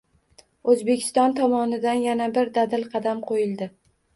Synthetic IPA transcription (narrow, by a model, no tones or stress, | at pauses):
ɵzbe̞kʲʰɪ̥st̪ɒnt̪ʰɒmɒnɪd̪anjanabɪɾd̪ad̪ɪlqʰɑd̪amqʰojɪlˠd̪ɪ